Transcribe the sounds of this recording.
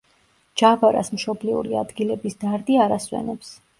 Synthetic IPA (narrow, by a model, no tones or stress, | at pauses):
d͡ʒabaɾa̰smʃɔbliṵɾiad̪ɡilɛbisd̪̥aɾd̪iaɾaswɛ̰nɛps